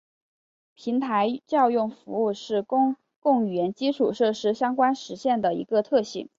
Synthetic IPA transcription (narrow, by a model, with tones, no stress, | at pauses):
pʰi˧˥ŋt̪ʰa˧˥ɪt͡ɕjɑ˥˧ʊjʊ˥˩ŋfu˧˥u˥˧ʂɻ̩˥˧kŋ | kʊ˥˩ŋy˨˩ɥɛ˧˥nt͡ɕi˥ʈ͡ʂʰu˨˩ʂɤ˥˩ʂɻ̩˥ɕjɑ˥ŋkwa˥nʂɻ̩˧˥ɕjɛ˥˩nd̪ə˩ḭ˧˥ɡə˧t̪ʰɤ˥˧ɕḭ˨˩˦ŋ